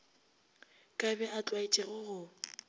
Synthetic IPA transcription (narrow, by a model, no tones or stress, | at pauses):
kʼabɛʔat͡ɬʼwait͡ʃʼɛɣʊɣʊ